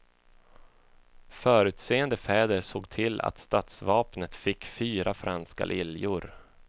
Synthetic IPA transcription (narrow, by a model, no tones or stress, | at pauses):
fœːɾʉ̟ːt̪seːənd̪əfɛːd̪əɾsoːɡt̪ʰɪlːa̰t̪st̪at̪svɑːpnət̪fɪkːfyːɾafɾʔanska̰lʔɪljʊɾ